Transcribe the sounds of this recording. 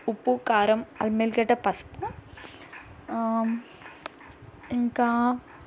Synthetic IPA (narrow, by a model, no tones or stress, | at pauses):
upːukaːɾɐmɐ̰lmelkɐʈːɐpɐspu | iŋka